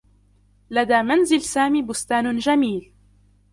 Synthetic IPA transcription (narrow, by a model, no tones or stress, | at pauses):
lad̪aːmanzɪlsaːmiːbʊst̪aːnd͡ʒamiːl